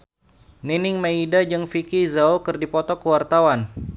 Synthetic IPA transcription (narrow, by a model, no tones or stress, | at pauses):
ninɪŋmaidad͡ʒɨŋfikizaokɨrdipɔt̪ɔkəwart̪awan